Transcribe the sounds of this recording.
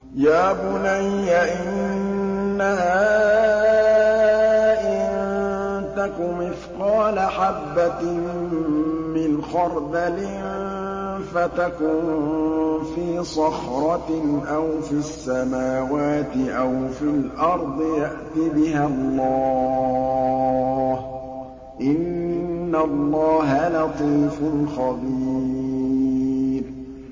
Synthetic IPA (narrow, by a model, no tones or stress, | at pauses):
jaːbʊnajːaʔɪnnː | ahaː | ʔɪnt̪akʊmɪfqɑːlaħabːa | mɪnxɑɾˤd̪alɪ | fat̪akʊn | fiːsˤɑxɾˤɑʔawfiasːamaːwaːt̪ɪʔawfɪlʔɑɾˤd̪ˤɨjaʔt̪ibɪɦalːɑː | h | ʔɪnː | alˤːɑːɦalɑt̪ˤiːfʊnxɑðiː | ɾ